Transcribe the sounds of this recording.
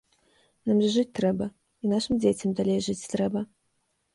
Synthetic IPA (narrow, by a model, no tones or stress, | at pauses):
namʐɨʐɨt͡sʲt̪ɾɛbɐ | inaʂɨmd͡zʲet͡sʲɐmd̪alʲejʐɨt͡sʲt̪ɾɛbɐ